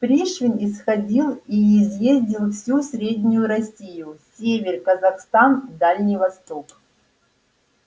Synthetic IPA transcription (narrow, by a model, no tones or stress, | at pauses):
pɾʲiʂvʲɪnʲɪsxɐdʲilˠiːzjezʲdʲɪlˠfsʲusʲɾʲedʲnʲʊjʊɾɐsʲijʊsʲevʲɪrkəzɐxst̪and̪alʲnʲɪjvɐst̪o̞k